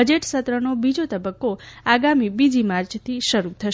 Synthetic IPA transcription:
əd͡ʒeʈsət̪ɾənobid͡ʒot̪əbəkːoaɡamibid͡ʒimaɾt͡ʃt̪ʰiʃəɾut̪ʰəʃ

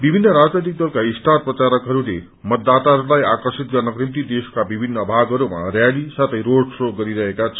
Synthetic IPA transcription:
bibʱinːʌɾad͡znejt̪ik̚d̪ʌlkaisʈʰat̪̚prʌt͡saɾʌkɦʌɾule | mʌt̪ːat̪aɦʌɾulajakʌrsit̪̚ɡʌrnʌkrimt̪̬id̪eskabibʱinːʌbʱaɡʌɾuma̰rjalisat̪ʌjɾoɖsoɡʌɾiɾʌɦekat͡sʰʌ

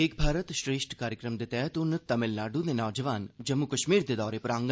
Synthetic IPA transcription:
eːk̚bʱaːɾət̪ʃɾeːʃʈʰkaːɾjəkɾəmd̪et̪ɛːt̪ʊnt̪ɐmɪlnaːɖud̪enɔːd͡ʒəʋaːnd͡ʒɐmːukɐʃmiːɾd̪ed̪ɔːɾepɐɾãːŋɡ

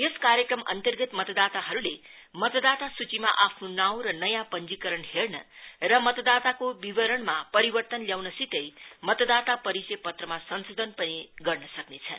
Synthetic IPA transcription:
jeskaɾjekrʌmʔʌ̰nt̪ʌrɡʌt̪mʌt̪ʌd̪at̪aɦʌɾule | mʌt̪ʌd̪at̪asut͡simaʔapʰnonaw̃ɾʌnʌjãpʌnd͡zikʌɾʌnhernʌ̰rʌmʌt̪ʌd̪at̪akobibʌɾʌɳmapʌɾibʌrt̪ʌnljawnʌsit̪ʌjmʌt̪ʌd̪at̪apʌɾisepʌt̪rʌmasʌnsod̪ʱʌnpʌniɡʌrnʌsʌknet͡sʰʌn

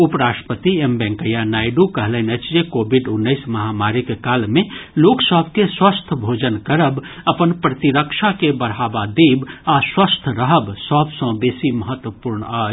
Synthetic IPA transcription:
upɾasʈə̥pət̪iembɛ̃ŋkəjanaiɖukəɦlɛnət͡ʃʰd͡ʒekobʱiɖunːəɪsməɦamaɾikekalmeloksəbʱkeswəst̪ʰbʱod͡ʒənkəɾəb | əpənpɾət̪iɾəkʃʰakebəɽ̤abad̪ebaswəst̪ʰɾəɦəbsəbsə̃besiməɦət̪wəpuɾɳə

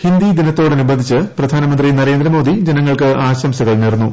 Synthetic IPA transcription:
hind̪id̪inɐt̪ːo̞ːɽɐnubɐnd̪ʱit͡ɕːɨprɐd̪ʱaːnɐmɐnd̪rinɐɾe̞ːnd̪ɾɐmoːd̪id͡ʑenɐŋːɐɭkɨʔaːɕɐmɕɐɣɐɭneːrnːu

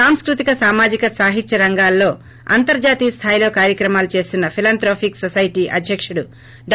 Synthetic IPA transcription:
aːmskɾut̪ikɐsaːmaːd͡ʒikɐsaːɦit͡ʃɐɾɐŋɡaːlːo̞ː | ɐ̰nt̪ɐɾd͡ʒaːt̪iːst̪ʰaːjlo̞ːkaːɾjɐkɾɐmaːlut͡ʃe̞ːst̪unːɐpʰilaːnt̪ɾoːpʰiksosɐjʈiːʔɐd̪ʱjɐkʂuɽu | ɖ

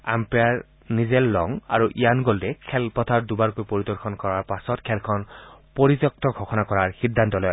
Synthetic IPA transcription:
a̰mpejaɹ | nizɛlːɔŋa̰ɹuʔijanɡoltɛkʰɛlpɔtʰaɹdubaɹkojpoɹidɔɹkʰɔnkɔɹaɹpasɔtkʰɛlkʰɔnpoɹitɔk̚tɔɡʱɔxɔnakɔɹaɹxidʱːantɔlɔj

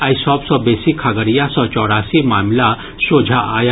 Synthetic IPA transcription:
ajisɔːpsɔbeːsikʰaɡəɾijasɔ̃t͡ʃɔːɾaːsimaːmla | soːd͡ʒʱaaːj

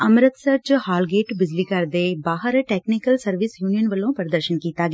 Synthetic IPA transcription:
ɐmɾət̪sɐɾt͡ʃhaːlɡeːʈbɪd͡ʒliːkɐɾd̪ebaːɦəɾʈeːknɪkəlsɐɾʋɪsjuːnijənʋəlõːpəɾəd̪əɾʃənkiːt̪aːɡ

